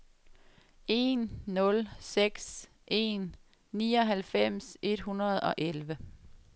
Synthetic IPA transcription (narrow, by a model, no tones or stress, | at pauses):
e̝̰nːɔ̽lseɡ̥s | ʔe̝̰nː | iːɒ̽ɦælfem̰se̝d̥hunɐð̞̩ˠɒ̽ʔelʋə